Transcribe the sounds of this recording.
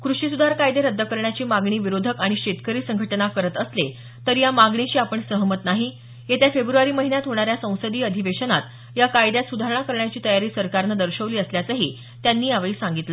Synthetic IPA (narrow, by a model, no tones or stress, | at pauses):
kɾuɕisud̪ʱaɾkajd̪eɾəd̪ʱːəkəɾɳjat͡ɕiːmaɡɳiːʋiɾod̪ʱəkaɽ̃iɕet̪kəɾiːsəŋɡʱəʈnakəɾət̪əsle | t̪əɾjamaɡɳeɕiːapəɳsəɦmət̪naɦi | jet̪jafebɾuaɾiːməɦinjat̪ɦoɽ̃aɾjasə̃w̃səd̪iːəd̪ʱiʋeɕənat̪ | jakajd̪jat̪sud̪ʱaɾəɳakəɾɳjat͡ɕiːt̪əjaɾiːsəɾkaɾnəd̪əɾɕəʋliːəsljat͡səɦḭː | t̪janːiːaʋɭiːsaŋɡit̪la